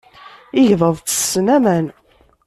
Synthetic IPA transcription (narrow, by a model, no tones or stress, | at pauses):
ɪʝðəðˤt͡sːə̥sːənæmæn